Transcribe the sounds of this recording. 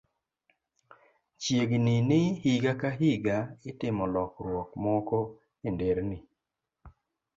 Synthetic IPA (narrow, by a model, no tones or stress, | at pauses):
t͡ʃjeɡninɪhiɡakaɦiɡaɪtɪmɔlɔkɾwɔkmɔkɔ | endeɾni